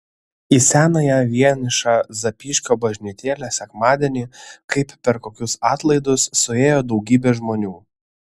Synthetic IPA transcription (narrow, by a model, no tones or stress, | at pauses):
isʲæːnɐjæːʋʲiɛnʲɪʃɑzɐpʲiːʃʲkʲoːbɐʒʲnʲɪt̪ʲeːlʲæsʲɛkmɑːd̪ʲɛnʲiːkɐɪpːʲɛɾkoːkʲʊsɑːt̪lˠɐɪd̪ʊsːʊeːjoːd̪ɒʊɡʲiːbʲeːʒmoːnʲuː